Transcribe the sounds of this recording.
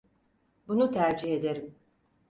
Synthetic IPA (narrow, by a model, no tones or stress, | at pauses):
bunut̪ʰæɾd͡ʒiɦe̞d̪e̞ɾim